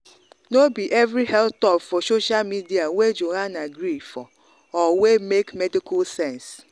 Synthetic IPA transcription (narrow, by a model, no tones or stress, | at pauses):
nobiʔɛvɾihɛltɔpfɔsoʃalmidiawed͡ʒoɦanaɡɾifɔ | ɔwemekmɛdikɔlsɛ̃ns